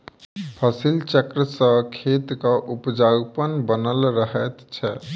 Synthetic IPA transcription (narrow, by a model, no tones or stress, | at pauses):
pʰəsilt͡ʃəkɾəsə̃kʰet̪kaʔupd͡ʒaɡpənbənəlɾəɦɛt̪t͡ʃʰɛ